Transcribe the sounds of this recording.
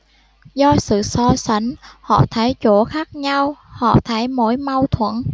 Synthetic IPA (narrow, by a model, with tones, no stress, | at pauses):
zɔ˧sɨ̰˧˨sɔ˧sa˧˩jŋhɔ̰˧˨t̪ʰaː˧˩jt͡ɕo˧˩xaː˦˥k̚ɲa˧whɔ̰˧˨t̪ʰaː˧˩jmo˧˥jma˧wt̪ʰwə˧˩˨n